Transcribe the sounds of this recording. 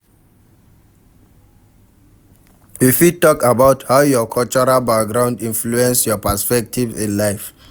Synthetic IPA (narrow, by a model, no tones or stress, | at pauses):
wifitɔkabaʊthaʊjɔkʰɔlt͡ʃɔɹalbak̚ɡɹãʊ̃ndĩnfluɛ̃nsjɔpaspɛk̚tʰivḭ̃nlaɪf